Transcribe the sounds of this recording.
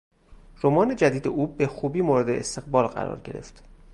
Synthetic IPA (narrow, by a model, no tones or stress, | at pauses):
ɾomɒːne̞d͡ʒæd̪iːd̪e̞ʔuːbexuːbiːmoːɾed̪eːst̪ʰe̞ɣbɒːlɢæ̰ɾɒ̰ːɾɟe̞ɾe̞̰ft̪